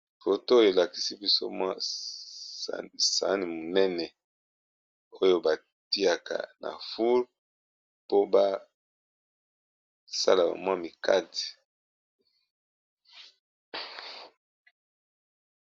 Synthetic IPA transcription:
fo˨to˦o˦jo˨e˨la˨ki˦si˦bi˦so̰˦mwa˦˨ | sa̰˨˦ni˨mo˨nɛ˦nɛ˨ | o˦jo˦ba˨ | ti˦a˨ka̰˨na̰˨fu˦l | po˦ba˦ | sa̰˦la˨ka̰˨mwa˦mi˨ka˦ti̥˨

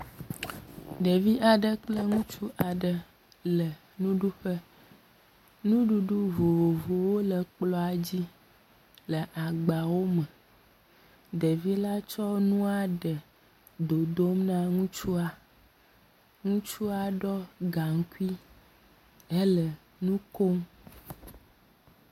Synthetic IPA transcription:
ɖə˨vi˦a˨ɖə˦k͡plə˦ŋũ˦t͡ʃu˦ʔa˨ɖə˨ | lə˨ | nũ˦ɖu˦ɸə˦ | nũ˦ɖu˦ɖu˦vo˨vo˨vo˨wo˦lə˨k͡plɔ˦a˨d͡ʑi˦ | lə˨ʔa˨ɡ͡ba˨wo˦mə̃˨ | ɖə˨vi˦la˦t͡ʃɔ˦nũ˦a˦ɖə˨ | d̪o˨d̪o˦mnã˦ŋũ˦t͡ʃu˦a˦ | ŋũ˦t͡ʃu˦a˦ɖɔ˦ɡa˨ŋ˦ku˦i˦ | e˦lə˨ | nũ˦ko˦ŋ

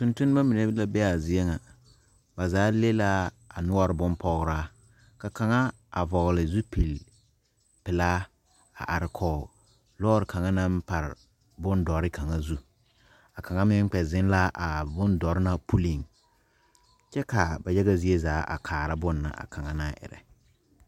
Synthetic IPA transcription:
tʊ˦ntʊ˦n˦ba˦mi˨ne˦bla˦bɛ˦a˨zɪ˦e˦ŋa˨ | ba˨zaː˨˦le˦la˦ | a˨nʊ˦ɔ˦ɾɪ˨bʊ˦npɔ˦ɣɾaː˦ | ka˨ka˨ŋa˦ | a˨vɔ˨ɣlɪ˨zu˦pi˨l | pɪ˨laː˦ | a̰˨ʔa˨ɾɪ˨kʰɔː˨ | lɔː˦ɾɪ˨ka˨ŋa˦na˦m˦pa˨ɾɪ˨ | bʊ˦ndɔ˨ɾɪ˦kʰa˨ŋa˦zu˦ | a˨ka˨ŋa˦mɪ˦ŋ˦k͡pɛ˨zɪ˦n˦la˦ʔa˨bʊ˦ndɔ˨ɾɪ˦na˦pu˦li˨ŋ | t͡ʃɛ˦ka˨ba˨jɛ˦ɣa˦zi˦e˦zaː˨˦ʔa̰˨kʰaː˨ɾa˦bʊ˦nːa̰˨ʔa̰˨ka˨ŋa˦na˦ʔɪ̰˨ɾɛ̰˨

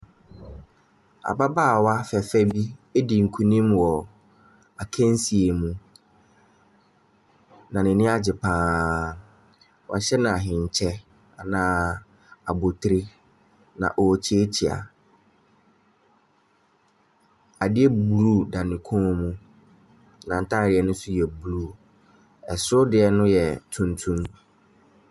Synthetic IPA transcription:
a̰˨ba˦baː˦˨wa˦fɛ˨fɛ˦bi˦e˦dɪ˨ŋ̩˨kʰu˦nĩ˦mwɔ˨ | a˨kʰɛ̃˦n˦si˨e˨mũ˨ | nã˨nɪ̃˨nɪ̃˦a˦d͡ʑɪ˨pʰãː˨˦ | wɔ̰˨ɕɛ˦nã˨a˨ɦɪ̃˨ɲ˨t͡ɕʰɛ˦ | a˨nãː˨˦˨ | a˨bo˨tʰɾi˦ | nã̰˨ʔɔ˨t͡ɕʰi˦e˦t͡ɕʰi˨a̰˨ | a˨dɪ˦ɛ˦bu˨ɾu˦˨da˨nɪ̃˨kʰõ˦mũ˦ | nã˨n̩˨tʰa˦˨ɾɪ˨˦ɛ˦nʊ̃˦sʊ˦jɛ˨bu˨ɾu˦˨ | ɛ˨sɾʊ˦dɪ˨ɛ˨nʊ̃˦jɛ˨tʰũ˨ntʰũ˦m

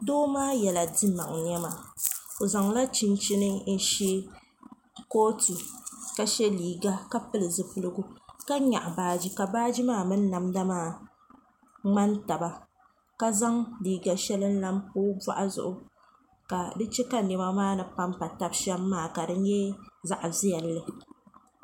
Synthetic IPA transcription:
doː˦maː˦jɛ˨la˨di˦ma˨ŋɲɛ˦ma˨o˨za˨ŋla˦t͡ʃi˦nt͡ʃi˦nɨ˦n̩˦ʃi˦ | koː˦ti˨ka˦ʃɛ˦liː˨ɡa˦ka˦pɨ˦lɨ˨zɨ˨pɨ˦lɨ˦ɡu˦ka˦ɲa̰˨ʔbaː˦d͡ʒi˦ka˨baː˦d͡ʒi˦maː˦mɨ˦n˦na˨mda˦maː˦˨ | ŋ͡ma˦nta˨ba˨ | ka˦za˦ŋliː˨ɡa˨ʃɛ˦lɨ˦n̩˦la˦m˦poː˦bwa̰˦ʔa˦zʊ̰˨ʔʊ˦ | ka˨dɨ˦t͡ʃɛ˦ka˦nɛ˨ma˦maː˦˨nɨ˨pa˦mpa˨ta˦bʃɛ˦lːaː˦˨ka˨dɨ˨n˦jɛ˦za˨ʔzi˦jɛ˨lːɨ˨

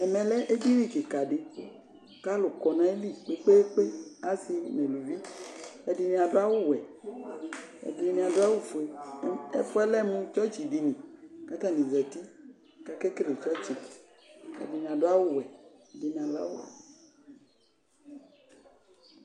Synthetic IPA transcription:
ɛ˨mɛ̃˨lɛ˦ʔe˦di˦nĩ˦˨ke˨ka˨ɖe˨ | ka˦lo˨kɔ˨nã˨e˦li˦˨k͡pe˨˦k͡pe˦e˦k͡pe˦a˦si˧nẽ˨lu˨vi˦ɛ˨di˨˧nĩ˧˨a˨dʊ˦a˦wʊ˦wɛ˨ | ɛ̰˨di˧˦nĩ˧˨a˨dʊ˦a˦wu˦fu˨e˨˦ɛ˦fɔ˦ɛ˦lɛ˦mũ˦t͡ʃɔ˦t͡ʃi˨di˨nĩ˨ka˦t̪a˦˨nĩ˨zɛ˨t̪i˦ | ka˦kɛ˦kɾe˨t͡ʃɔ˦t͡ʃi˨ | ɛ̰˨di˨nĩ˨a˨dʊ˦a˦wʊ˦˨wɛ˨ | ɛ˨˦di˨nĩ˨a˨la̰˦wʊ̰˦ɛ̰˨

